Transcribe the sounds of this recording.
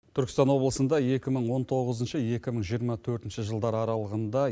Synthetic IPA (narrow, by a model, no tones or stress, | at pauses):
t̪ʰʏɾkʲɪst̪ɑnwo̞blˠəsənd̪ɑje̞kʲɪməɴwo̞nt̪ʰo̞ʁəzənʃəje̞kʲɪməɴʒijəɾmɑt̪ʰɵɾt̪ɪnʃəʒəlˠd̪ɑɾɑɾɑlˠəʁənd̪ɑ